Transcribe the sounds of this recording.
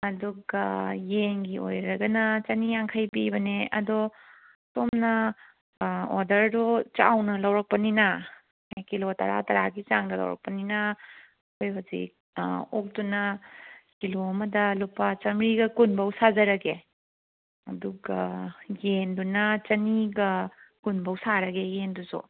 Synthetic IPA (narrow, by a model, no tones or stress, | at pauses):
ɐduɡɐjenɡio̰jɾɐɡɐnɐt͡ʃɐnijaŋkʰajpibɐneɐ̰dɔ | tomnɐ | ɔɾdɐɾdut͡ʃawnɐlawɾɐk̚pɐnina | akilotɐ̰ɾa̰tɐɾaɡit͡ʃaŋdɐlɐ̰wɾɐ̰k̚pɐnina | kojɦuzḭk̚ | ok̚dunɐkilomɐdɐlupɐt͡ʃɐmɾiɡɐkunbɐwsazɐɾɐɡe | ɐduɡajendunɐt͡ʃɐniɡɐkunbɐwsaɾɐɡejendusṵ